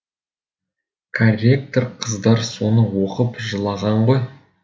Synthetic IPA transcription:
kʰorʲe̞k̚t̪oɾqʰəzd̪ɑɾso̞nəwo̞qəpʒəlˠɑʁɑɴʁoj

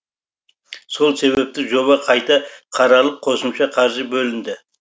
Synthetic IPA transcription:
so̞lˠse̞βe̞p̚t̪ɪʒo̞βɑqʰɑjt̪ɑqʰɑɾɑlˠəq̚qʰo̞səmʃɑqʰɑɾʒɪbɵlɪnd̪ɪ

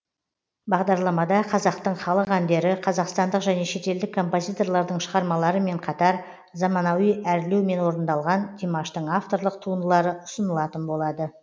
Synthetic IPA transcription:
bɑʁd̪ɑɾlˠɑmɑd̪ɑqʰɑzɑqt̪əɴχɑlˠəqænd̪e̞ɾɪqʰɑzɑqst̪ɑnd̪əqʒæne̞ʃe̞t̪e̞ld̪ɪkʰːo̞mpo̞zijt̪o̞rlˠɑɾd̪əɴʃəʁɑɾmɑlˠɑɾəme̞ɴqʰɑt̪ɑɾ | zɑmɑnɑwijæɾlewme̞nwo̞ɾənd̪ɑlˠʁɑnd̪ʰimaʃt̪əɴaft̪o̞ɾlˠəq̚t̪ʰuənd̪əlˠɑɾəʊsənəlˠɑt̪ənbo̞lˠɑd̪ə

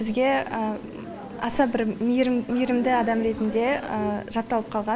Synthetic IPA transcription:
ɪzɡʲe̞ | ɑ̰sɑbɪɾmijɾɪmd̪ɪɑd̪ɑmɾe̞t̪ɪnd̪e̞əʒɑt̪ːɑlˠəp̚qʰɑlˠʁɑ

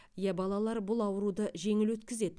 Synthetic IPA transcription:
jæbɑlˠɑlˠɑɾbʊlˠɑwəɾud̪əʒe̞ŋɪlwɵt̪kʲɪze̞d̪ɪ

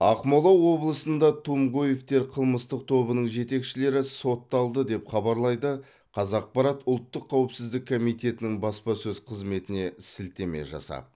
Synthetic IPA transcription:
ɑqmolˠɑwːo̞blˠəsənd̪ɑt̪ʰumɡojeft̪e̞ɾqʰəlˠməst̪əq̚t̪ʰo̞bənəɴʒe̞t̪e̞kʃɪle̞ɾɪso̞t̪ːɑlˠd̪əd̪e̞pχɑbɑɾlˠɑjd̪ə | qʰɑzɑq̚pɑɾɑt̪ʊlˠt̪ːəqʰːɑwɪpsɪzd̪ɪkʰːo̞mijt̪e̞t̪ɪnɪŋbɑspɑsɵzqʰəzme̞t̪ɪne̞sɪlt̪e̞me̞̰ʒɑ̰sɑ̰p

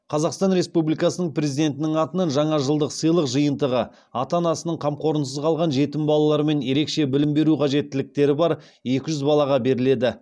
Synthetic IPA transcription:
qʰɑzɑqst̪ɑnɾe̞spublijkɑsənəɴprʲe̞zid̪e̞nt̪ɪnɪŋɑt̪ənɑnʒɑɴɑʒəlˠd̪əqsəjlˠəqʒəjənt̪əʁə | ɑt̪ɑnɑsənəɴqʰɑmqo̞ɾənsəzqʰɑlˠʁɑnʒe̞t̪ɪmbɑlˠɑlˠɑɾəme̞nje̞ɾe̞kʃe̞bɪlɪmbe̞ɾuqʰɑʒe̞t̪ːɪlɪk̚t̪e̞ɾɪbɑɾ | je̞kʲɪʒʏzbɑlˠɑʁɑbe̞ɾɪle̞d̪ɪ

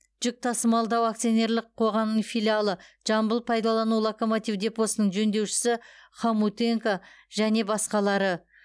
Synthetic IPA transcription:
ʒ̥ʏk̚t̪ʰɑsəmɑlˠd̪ɑwakt̪sijo̞ne̞ɾlˠɪqʰːo̞ʁɑmnəɴfilialˠəʒ̥ɑmbəlˠpʰɑjd̪ɑlˠɑnulˠoko̞mot̪ivd̪e̞po̞sənəɴʒɵnd̪e̞wʃɪ̥sɪχamut̪e̞ŋkaʒ̥æne̞bɑsqɑlˠɑɾə

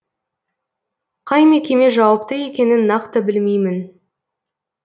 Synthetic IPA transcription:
qʰɑjme̞kʲe̞me̞ʒɑwɑpt̪əje̞kʲe̞nɪnːɑqt̪əbɪlmejmɪn

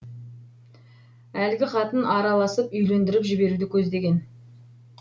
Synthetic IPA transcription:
ælɡʲɪqɑt̪ənɑɾɑlˠɑsəpʏjle̞nd̪ɪɾɪpʒɪbe̞ɾud̪ɪkʲʰɵzd̪e̞ɡʲe̞n

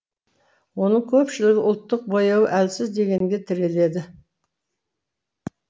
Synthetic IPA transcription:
wo̞nəɴkʲʰɵpʃɪlɪɡʲɪʔʊlˠt̪ːəq̚bojɑwəʔælsɪzd̪e̞ɡʲe̞ŋɡʲe̞t̪ʰɪɾe̞le̞d̪ɪ

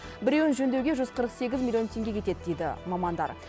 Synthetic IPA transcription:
bɪɾʲeʊnʒɵnd̪ewɡʲe̞ʒʏzqʰəɾəqse̞ɡʲɪzmʲilʲˠijo̞nt̪ʰʲe̞ŋɡʲekʰʲe̞t̪e̞d̪ɪd̪e̞jd̪ɪ̰mɑmɑnd̪ɑ̰ɾ

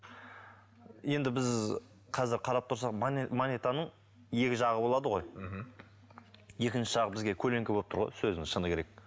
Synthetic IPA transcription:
je̞nd̪ɪbɪz | qʰɑzɪɾqʰɑɾɑp̚t̪ʰʊɾsɑqmnmonet̪anəɴ | je̞kʲɪʒɑʁəbo̞lˠɑd̪əʁo̞j̩ | je̞kʲɪnʃɪ̥ʒ̥ɑʁəbɪzɡʲe̞kʲʰɵle̞ŋkʲɪbo̞lˠpt̪ʰəɾʁo̰jsɵznɪʃənəkʲe̞ɾe̞k̚

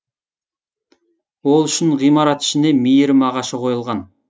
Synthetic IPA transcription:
wolˠyʃɪnʁijmɑɾɑt̪i̥ʃɪnemijɪɾmɑʁɑʃɑqʰojɪlˠʁɑn

